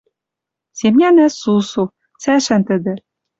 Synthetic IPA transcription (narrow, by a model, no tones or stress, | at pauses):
semnʲænæsusu | t͡sæʃænt̪ɘ̆d̪ɘ̆